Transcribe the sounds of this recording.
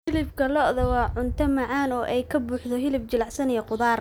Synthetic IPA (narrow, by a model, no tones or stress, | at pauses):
hɪlɪfkʰɐlɔʔðɔwɑːʕʊnt̪ʰɐmɑʕɑːnɔːʔɛjkʰɐbuːħd̪ɔɦɪlɪft͡ʃɪlɑʕsɐnijɛqʊðaːr